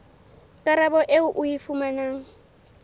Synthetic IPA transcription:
kʼaɾabɔʔeʊʔʊifʊmanaːŋ̩

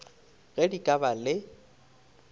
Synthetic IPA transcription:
ɣɛdikʼabalɪ

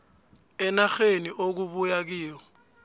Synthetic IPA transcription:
ɛnaxeniʔok̬uβujak̬iːɔ

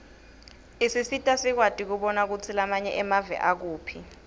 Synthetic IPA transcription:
isisitʼasik̬watʼik̬uɓɔnak̬ut͡sʰilamaɲɛʔɛmavɛ̰ʔak̬uːpʰi

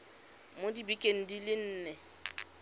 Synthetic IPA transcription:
modibikʼeŋ̩dilɪn̩ːnɛ

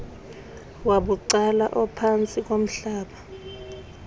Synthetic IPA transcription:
waɓuǀalaʔɔpʰant͡sʼik̬ʼom̩ɬaːɓa

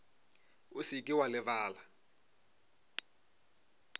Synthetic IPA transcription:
usikʼiwalɛvaːla

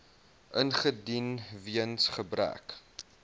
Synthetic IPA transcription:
ʔənχədinviənsχəbɾæ̰k

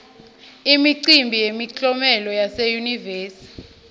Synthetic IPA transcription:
imiǀimbʱijemit͡ɬʼɔmɛlɔjasejuniveːsi̥

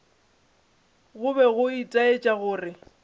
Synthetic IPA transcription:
ɣʊbɛɣʊitʼaet͡ʃʼaɣʊːrɪ

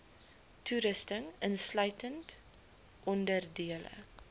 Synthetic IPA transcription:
tʰuɾəstəŋənslœɥtənt | ʔɔndərdiələ̰

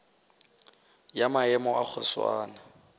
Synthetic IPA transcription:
jamaɛmɔʔak͡xʰʊswa̰ːna

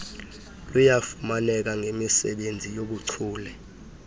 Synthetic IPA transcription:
lujafumanɛk̬aŋʱemisɛɓend͡zʱijoɓuǀʰuːlɛ

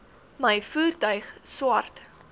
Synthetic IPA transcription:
məjfuːrtœɥχswɐrt

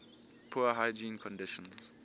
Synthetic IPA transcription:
pʰuaɦajd͡ʒĩnkʰɔ̃ndɪʃɔ̃ns

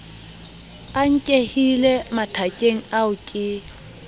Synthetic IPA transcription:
aŋ̩kʼehilɛmatʰakʼeŋ̩aʊkʼɪ

